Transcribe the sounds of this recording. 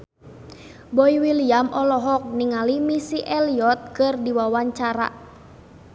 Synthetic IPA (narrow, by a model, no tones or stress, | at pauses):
bɔiwiliamʔɔlɔɦɔk̚niŋalimisiʔɛliɔt̪̚kɨrdiwawaɲt͡ʃaɾa̰